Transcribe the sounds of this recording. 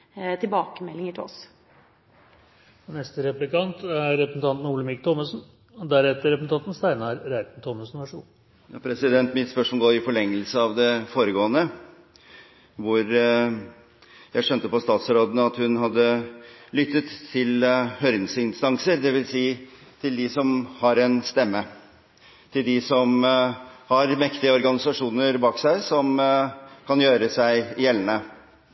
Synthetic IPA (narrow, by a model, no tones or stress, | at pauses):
t̪ʰɪlbɑːkəmɛlːɪŋəʈʰɪɔ̰s | nɛst̪əɾɛplɪkɑnt̪æɾːɛpɾəsn̩t̪ɑnt̪n̩uːləmɪkt̪ʰɔməsn̩ | d̪æɾɛt̪ːəɾɛpəsn̩t̪ʰɑnt̪n̩st̪æɪnɑɾɾæɪt̪n̩t̪ʰɔːməsn̩ʋæʂṵː | jɑpʰɾɛsɪd̪ɛnt̪mɪt̪spœʂmɔloːɪfɔɭɛŋːəlsəɑʋd̪ɛfoːɾəɡoːənə | ʋʊɾ | jæɪʂœnt̪əpɔst̪ɑːt̪sɾoːd̪nəɑt̪hʉnɦɑd̪ːəlʏt̪ːət̪ʰːɪlhœɾnsəɪnst̪ɑŋsəɾd̪ɛʋɪlsiː | t̪ʰɪld̪ɪsɔmhɑɾɛnst̪ɛmːə | t̪ʰɪld̪ɪsɔm | hɑɾmɛkt̪ɪəɔɾɡɑnɪsɑʂuːnəɾbɑːksæɪsɔm | kʰɑnjøːɾəsæɪɪjɛlːənə